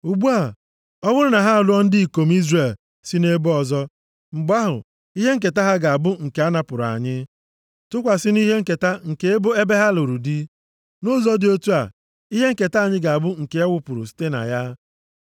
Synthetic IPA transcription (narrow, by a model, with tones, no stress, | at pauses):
u˨ɡ͡bu˦a˨ | ɔ˦wʊ˦ɾʊ˦na˨ɦa˦˨lʊ˦ɔ˦n̩˦dɪ˦i˨ko˨m˦i˦zre˨l | si˦ne˦bʊ˦ɔ˨zɔ˦ | ŋ͡m̩˨ɡ͡ba˦ɦʊ̰˨ | i˦ɦe˦ŋ̩˦ke˨ta˦ɦa˦ɡa˨a˨bʊ˦ŋ̩˨ke˨a˦na˨pʊ˨ɾa̰˨ɲɪ˦ | tʊ˦kʷa˨sɪ˦ni˦ɦe˦ŋ̩˦˨ke˨ta˦ŋ̩˨ke˨e˦bʊ˦e˦be˦ɦa˦lo˨ɾu˨di˦ | nʊ˦zɔ˦dɪ˨o˦tu˦a̰˨ | i˦ɦe˦ŋ̩˦ke˨ta˦˨ɲɪ˦ɡa˨a˨bʊ˦ŋ̩˨ke˨˦a˦wʷʊ˦pʊ˨ɾʊ˨si̥˦te˦na̰˨ja˦